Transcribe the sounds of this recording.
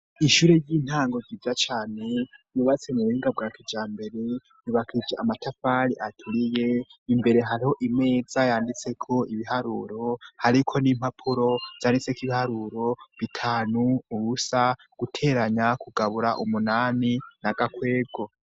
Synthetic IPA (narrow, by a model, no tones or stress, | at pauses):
iʃuɾe̞jiːn̥haːŋɡo̞zivjat͡ʃaːne̞juːβat͡se̞muβuiːŋɡaβɡakid͡ʒaːmbe̞ɾe̞ | juβakʰid͡ʒeamatafaɾiʔatʰuɾije̞imbe̞ɾe̞ɦaɾiho̞ʔime̞ːd͡zajaːndit͡se̞kʰo̞iβihaɾṵːɾo̞haɾikʰo̞nim̥apʰuɾo̞z̥aːndit͡sekiβihaɾuɾo̞βitʰaːnuuβusa | ɡ̥utʰe̞ːɾaɲakuɡaβuɾaʔumunaːninaɡakwe̞ːɡo̞